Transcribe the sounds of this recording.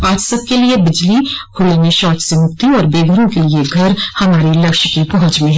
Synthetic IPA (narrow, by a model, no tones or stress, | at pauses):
aːd͡ʒsɐb̚keliebɪd͡ʒlihʰʊlaːnẽʃɔːt͡ʃsemʊk̚t̪iɔːɾbeːɡʱəɾõkelieɡʱɐɾhɐmaːɾilɐkʃkipɐɦʊ̃t͡ʃmẽɦɛ